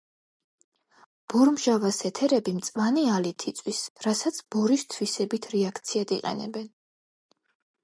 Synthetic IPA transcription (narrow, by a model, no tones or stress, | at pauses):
b̥ɔɾmʒavasɛt̪ʰɛɾɛbimt̪sʼvanialit̪ʰit̪sʼwisɾasat̪sʰb̥ɔɾist̪ʰwisɛbit̪ʰɾɛakʰt̪sʰiad̪iqʼɛ̰nɛ̰bɛn